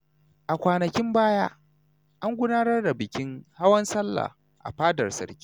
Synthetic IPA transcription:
ʔa˨kʷaː˨nɐ˨kʲɪ˦mbaː˦jaː˦ | ʔa˦ŋɡʷʊ˦naː˦nɐ˦rdɐ˨bɪ˨kʲɪ˦ŋha˦wɐ˦nsɐ˦lːa̰˨ | ʔa̰˨ɸaː˦dɐ˨rsɐ̰˨ɾkʲi̥ː˦

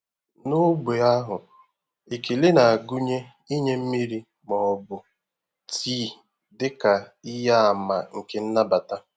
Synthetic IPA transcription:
nʊ˦ɡ͡be˨a˦ɦʊ˨ | i˨ke˨le˦na˨a˨ɡu˦ɲe˦ | i˦ɲe˦m̩˦mi˦ɾi˦ | mɔ˨ɔ˨bʊ˨ | tʰiː˦ | dɪ˦ka˨ɪ˦ja˦a˨ma˨ŋ̩˨ke˦n̩˦na˦ba˨ta˦

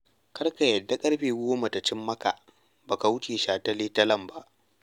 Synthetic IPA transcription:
kɐ˦rka˨jɐ˨dːa˦kʼɐ˦ɽɸeː˨ɡʷoː˦ma˨ta˨t͡ʃɪ˦mːɐ˦ka̰˨ | baː˨ka˨wʊ˦t͡ʃeː˨ʃaː˨tɐ˦leː˦tɐ˦lɐ˦˨mba˦ʔ

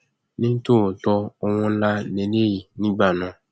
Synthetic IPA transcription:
nĩ˦t̪o˦˨tɔ˦o˦wɔ̃˦la˦nẽ˨ne˦ji˨nĩ˦ɡ͡ba˨nɔ̃˨˦

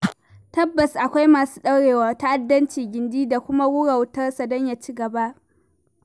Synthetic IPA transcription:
tɐ˦bːɐ˨sʔa˨kʷa˦jmaː˨su̥ː˦ɗɐ˦wɽeː˨waː˨ta˦ʔa˨dːɐ˦nt͡ʃiː˨ɡʲɪ˨ndiː˦da˨kʷʊ˦ma˦wʊ˦ɽa˨wtɐ˦rsa˨dɔ˦ɲja˨t͡ʃiː˦ɡɐ˨ba˦ʔ

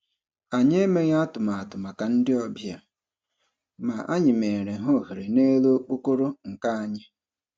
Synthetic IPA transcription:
a˨ɲe˦me˦ɣa˦tʊ˨ma˨a˨tʊ˨ma˨ka˨n̩˦dɪ˦ɔ˨bja˨ | ma˨ʔa̰˦ɲɪ˨me˨ɾe˨ɦo˦ɦe˨ɾe˨ne˦lo˦k͡po˦ko˦ɾo˦ŋ̩˨ka˦a˦ɲɪ˦

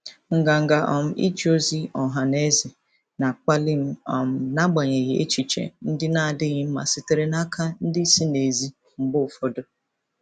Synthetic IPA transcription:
ŋ̩˨ɡa˨ŋ̩˨ɡa˨ʔɔ˨m̩˦ʔḭ˦d͡ʒo˦zi˦ɔ˨ɦa˨ne˦zi˨ | na˨k͡pa˦lɪ˦m̩˦ɔ˨m̩˦na˦ɡ͡ba˨ɲe˨ɣḛ˦t͡ʃi˨t͡ʃḛ˨n̩˦dɪ˦na˦˨dɪ˦ɣɪ˦m̩˦ma̰˨sɪ˨te˨ɾe˦na˦kʰa˦n̩˦dɪ˦si˦ne˨zi˦ | m̩˦bʊ˦ʊ˨fɔ˦do˦

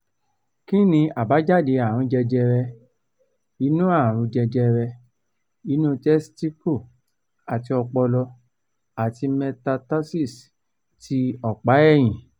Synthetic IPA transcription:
kĩ˦nĩ˧a˨ba˨˦d͡ʒa˦˨de˧˦a˨ɾ̃ũ˨˧˦d͡ʒɛ˧d͡ʒɛ˧ɾɛ˧ | i˧˦nũ˦ã˦˨ɾ̃ũ˧˦d͡ʒɛ˧d͡ʒɛ˧ɾɛ˧ | i˨˦nũ˦tɛ˦sti˦ku˦˨ | a˨ti˧ɔ˧k͡pɔ˧lɔ˧ | a˨ti˧mɛ̃˧ta˧ta˦si˦˨s | tʰi˧˦ɔ˨k͡pa˨˦ɛ˦˨j̃ĩ˨

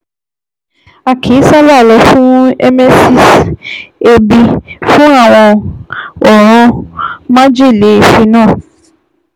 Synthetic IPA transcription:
a˨kʰi˨˦sa˦la˦˨lɔ˧˦fũ˦e˦me˦si˧s | e˧bi˧fũ˦a˦˨w̃ɔ̃˧ | ɔ˨ɾ̃ɔ̃˧˦mã˦d͡ʒi˦˨le˨˦e˦˨ʃi˧˦nãː˦˨

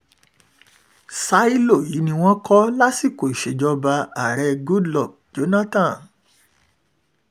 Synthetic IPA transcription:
sa˦i˦lo˦˨ji˨˦nĩ˧w̃ɔ̃˦kɔ˦la˦si˦˨ko˨i˨ʃe˨d͡ʒɔ˧ba˧a˨ɾɛ˧ɡu˦dlɔ˦˨b̚d͡ʒo˨˦nã˦tã˦˨n

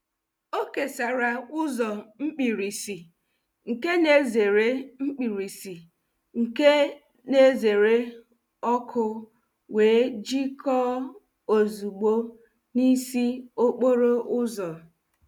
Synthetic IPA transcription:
o˦ke˨sa˨ɾa˨ʊ˦zɔ˨ŋ͡m̩˦k͡pi˨ɾi˨si˨ | ŋ̩˨ke˦ne˦ze˨ɾe˦ŋ͡m̩˦k͡pi˨ɾi˨si˨ | ŋ̩˨ke˦ | ne˦ze˨ɾe˦ | ɔ˦kʰʊ˦ | weː˨˦d͡ʒi˦kʰɔ˦ | o˨zu˨ɡ͡bo˦ | ni˦si˦o˦k͡po˦ɾo˦ʔʊ˦zɔ˨

